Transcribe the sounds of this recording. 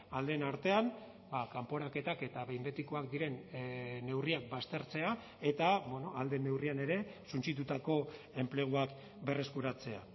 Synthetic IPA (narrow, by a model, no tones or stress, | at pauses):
ald̪e̞naɾt̪e̞an | bakampo̞ɾake̞t̪ake̞t̪aβe̞jmbe̞t̪ikoak̚d̪iɾe̞nː | e̞wriak̚bast̪e̞ɾt͡se̞a | e̞t̪abwenoald̪e̞ne̞wriane̞ɾe̞sunt͡sit̪ut̪ako̞ | e̞mple̞ɣ̞uak | be̞re̞skuɾat͡se̞a